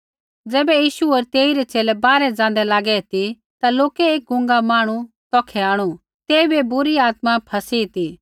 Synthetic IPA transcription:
d͡zɛːbɛjiːʃuɔːɾt̪eːiɾɛt͡seːlɛbaːɾɛd͡zãːnd̪ɛlaːɡɛt̪i | t̪aloːkɛeːk̚ɡʱʊ̃ŋɡamaːɽ̃u | t̪ɔːkʰɛaːɽ̃u | t̪eːibebʊɾiaːt̪mapʰɐsit̪i

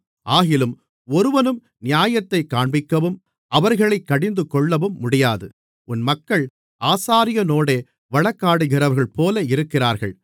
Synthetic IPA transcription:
ʔaːɣɪlɯm | ɔɾɯʋɐnɯm | nɪjaːjɐt̪ːɐɪkːaːɳbɪkːɐʋɯm | ʔɐʋɐɾɣɐɭɐɪkːɐɽɪnd̪ɯkɔɭːɐʋɯmːʊɽɪjaːðɯ | ʔʊnmɐkːɐɭ | ʔaːsaːɾɪjɐnoːɽeː | ʋɐɭɐkːaːɽɯɣɪrɐʋɐɾɣɐɭpoːlɐɪɾɯkːɪraːɾɣɐɭ

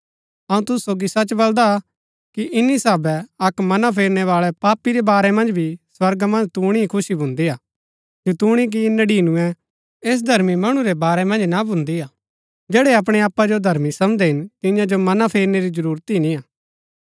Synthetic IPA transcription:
ɐũt̪ʊsːoːɡisɐt͡ʃbɐld̪a | kiʔɪnːisaːbɛɐkmɐnapʰeːɾnɛʋaːɭɛpaːpiɾɛbaːɾɛmɐ̃nd͡ʒbʱiswɐɾɡamɐ̃nd͡ʒt̪uːɽ̃ikʰʊsibʱʊ̃nd̪iaː | jut̪uːɽ̃ik̬inɐɖiːnũɛ̃ | eːs̬d̪ʱɐɾmimɐɽ̃ũɾɛbaːɾɛmɐ̃nd͡ʒnabʱʊ̃nd̪iaː | d͡ʒɛːɽɛɐp̬ɽ̃eaːpːad͡ʒod̪ʱɐɾmisɐmd̪ɛɦɪnt̪ɪjãd͡ʒomɐnapʰeːɾneɾid͡ʒəɾuːɾt̪inĩaː

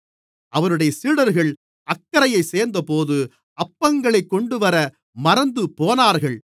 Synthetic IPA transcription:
ʔɐʋɐɾɯɽɐjɐsiːɽɐɾɣɐɭ | ʔɐkːɐɾɐjɐɪseːɾnd̪ɐpoːðɯ | ɐpːɐŋɡɐɭɐɪkːɔɳɖɯʋɐɾɐ | mɐɾɐnd̪ɯpoːnaːɾɣɐɭ

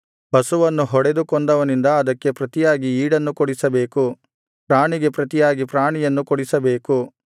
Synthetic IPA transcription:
bɐsuʋɐnːuɦɔɽe̞d̪ukɔnd̪ɐʋɐnind̪ɐːd̪ɐkːe̞pɾɐt̪ijaːɡiiːɽɐnːukoɽisɐbeːku | pɾaːɳiɡe̞pɾɐt̪ijaːɡipɾaːɳijɐnːukɔɽisɐbe̞ːku

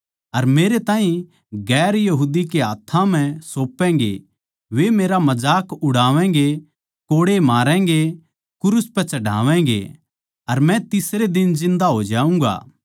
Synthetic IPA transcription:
ɐɾmeːɾet̪ãːɦĩ | ɡɛːɾjɐɦuːd̪ikeaːt̪ʰːãm̤ɛ̃soːpːɛ̃ːɡḛ | ʋemeːɾamɐd͡ʒaːkʊɽaːʋɛ̃ɡe | koːɽemaːɾɛ̃ɡe | kʊɾʊspɛt͡ʃɐɽa̰ːʋɛ̃̆ɡḛ | ɐɾmɛ̃t̪ɪsɾed̪ɪnd͡ʒɪ̃nd̪aɦoːd͡ʒaːũːŋɡa̰ː

